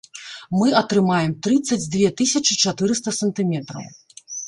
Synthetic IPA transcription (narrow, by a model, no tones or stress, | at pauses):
mɨɐt̪ɾɨmajɛmt̪ɾɨt̪sːɐd͡zʲd̪vʲɛt̪ɨsʲɐt͡ʂɨt͡ʂat̪ɨɾɨst̪ɐsɐnt̪ɨmʲɛt̪ɾɐ̰w